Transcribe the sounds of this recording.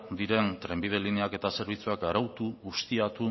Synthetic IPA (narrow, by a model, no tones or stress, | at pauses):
d̪iɾe̞nt̪ɾe̞mbið̞e̞lineake̞t̪ase̞ɾβ̞it͡suakaɾawt̪uɣust̪iat̪u